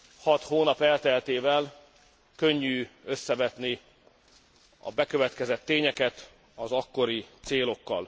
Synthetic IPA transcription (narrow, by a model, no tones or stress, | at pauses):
hɒt̪hoːnɒpɛlt̪ɛlt̪eːvɛl | kø̞ɲːyːø̞sːɛvɛt̪ni | ɒ̰bɛkø̞vɛt̪kɛzɛt̪ːeːɲɛkɛt̪ | ɒzɒkːo̞ɾit̪seːlo̞kːɒ̰l